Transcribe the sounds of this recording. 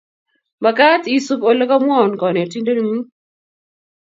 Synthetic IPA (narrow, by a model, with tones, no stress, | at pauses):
ma˨ka˦ti˦su˦ko˨lo˦ka˦mwɔ˦˨nkɔ˨ne˨ti˦nde˦n˦mu˦